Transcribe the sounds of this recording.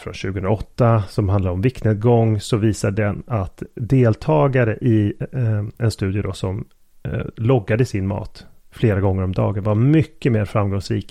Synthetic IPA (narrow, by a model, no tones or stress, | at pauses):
fɾɔ̰nɕʉːɡəɵnɾaɔt̪ːasɔmhand̪aɾɔmvɪkt̪ət̪ɡɔŋːsɔviːsaɖɛnat̪d̪eːlt̪ʰɑːɡaɾəʔɪ | ɛnst̪ʉ̟ːd̪jəd̪ɔsɔm | lɔɡːad̪əsɪnmɑ̰ːt̪fleːɾaɡɔŋːəɾɔmd̪ɑ̰ːɡənvaɾmʏkːəmeːɾfɾamɡɔŋsɾiːk